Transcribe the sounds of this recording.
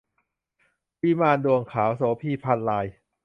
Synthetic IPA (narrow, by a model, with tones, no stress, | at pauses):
wiː˦˥˩maː˧ndu˧əŋkʰaː˩˦wsoː˩˦pʰiː˧pʰa˧nlaː˧j